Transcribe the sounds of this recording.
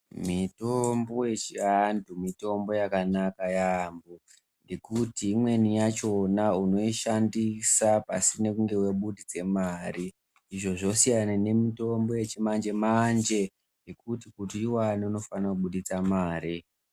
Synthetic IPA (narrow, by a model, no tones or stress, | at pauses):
mitombojet͡ʃiantʰumito̞mbo̞jakanakajambo | ndekutiːmwe̞nijat͡ʃo̞nauno̞iʃandisapasine̞kuŋɡe̞weɓuɗid͡ze̞mariː | ʐo̞ʐo̞sijanane̞mito̞mbo̞je̞t͡ʃimand͡ʒe̞mand͡ʒe̞ | nekutikutiiwaniuno̞fanakuɓuɗit͡samaːɾi